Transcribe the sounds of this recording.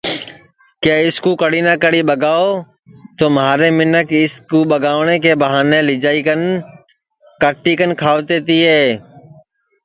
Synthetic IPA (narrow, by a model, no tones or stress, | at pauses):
kjaːɪskuːkəɽiːnãːkəɽiːɓəɡaːoː | t̪oːmɦaːɾeːmɪnəkɪskuːɓəɡaːʋɳeːkeːbəɦaːnẽːlɪd͡ʒaːikən | kəʈːiːkənkʰaːʋt̪eːt̪iːɦeː